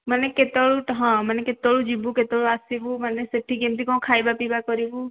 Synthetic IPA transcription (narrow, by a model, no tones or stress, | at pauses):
məneket̪ɔɭuʈɦɔ̃məneket̪oɭud͡ʒibuket̪oɭuasibũməneseʈʰːiɡemt̪ʰikɔ̃kʰajbapibakɔɾibũ